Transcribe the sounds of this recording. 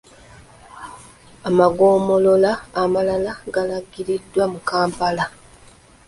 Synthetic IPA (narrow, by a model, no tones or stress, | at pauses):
amaɡo̞ːmo̞lo̞laːmalalaɡalaɡiɾidːwamukaːmpala